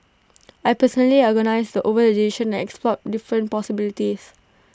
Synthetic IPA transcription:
ajpəsɔnəliɔɡənaɪsdəʔovələdeʃə̃nɛ̃nɛksplɔt̚difɹə̃npɔsibilitis

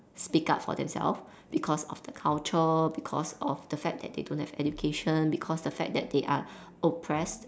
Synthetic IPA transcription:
spika̰tfɔ̰dɛ̰̃msɛ̰lf | b̥ikʰɔsɔfd̥əkʰalt͡ʃəbikʰɔ̰sɔfd̥əfɛk̚dɛ̰t̚dḛdõnthɛvɛ̰dukʰeʃə̃nbikʰɔsdəfɛ̰k̚dɛt̚deʔa | opʰɹɛst

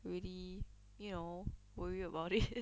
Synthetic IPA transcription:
ɹili | juno | wəɹiəbaʊtɪ

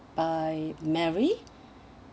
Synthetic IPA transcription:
b̥aɪmɛɹi

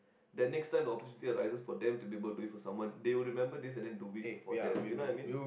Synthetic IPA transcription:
dɛt̚nɛkstãɪmdəɔpəɾtjunit̪iəɾaɪsəsfɔdɛ̃mtubiebəlduĩŋfɔsãmwãndewilɹimɛ̃mbədisɛ̃ndɛ̃ndubĩfɔdɛ̃unoajmĩn

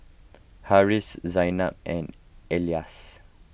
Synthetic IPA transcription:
haɹiszajna̰p̚ɛ̃n | elias

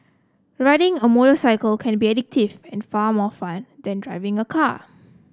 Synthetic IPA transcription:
ɹaɪɾɪ̃ŋəmoɾosaɪkəlkʰɛ̃nbiɛdɪk̚tɪvɛ̃nfaːmɔfãndɛ̃ndɹaɪvɪ̃ŋəkʰa

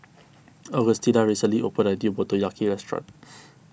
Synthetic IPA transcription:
ɔɡəst̪idaɹisəliʔopədadiobɔt̪ojakʰiɹɛstɹã̰t

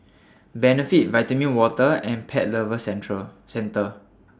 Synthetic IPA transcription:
bɛnəfit̚vaɪtəmĩnwɔtəɛ̃npʰɛʔ̚ləvəsɛɹəsɛ̃ntə

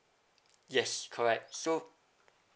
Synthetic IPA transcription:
jɛskʰɔɹɛk̚tso

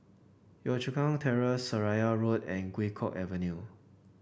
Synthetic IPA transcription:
jɔt͡ʃukãŋtʰɛɹəsəɹajaɹodɛ̃nɡwekʰɔkɛvə̃nju

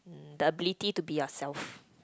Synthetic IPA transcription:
d̪əəbilititubiasɛlf

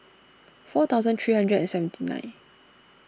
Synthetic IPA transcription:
fɔt̪ʰaʊzə̃nt̪ʰɹiːhãndɹɛdɛ̃nsɛvə̃ntʰinã̰ɪ̃n

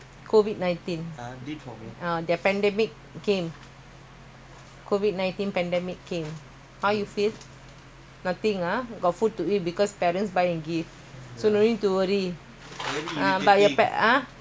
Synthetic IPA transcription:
kʰovid̚nãj̃ntĩn | adɛpɛ̃ndɛmik̚kẽm | kʰovid̚nãj̃nt̪ĩnpɛ̃ndɛmikːẽm | hawjufil | nat̪ĩŋaɡɔtfud̚tuibikɔspɛɹə̃nsbajɛ̃nɡif | sonõnĩtuwəɹi | ãbajɔpɛ̰a

